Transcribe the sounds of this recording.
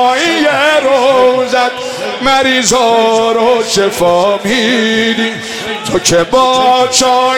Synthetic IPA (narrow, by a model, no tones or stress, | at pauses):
ijeɾozæd̪̚ | mæɾizɔːɾoʃefɔːmid̪i | t̪ʰocʰebɔːt͡ʃɔ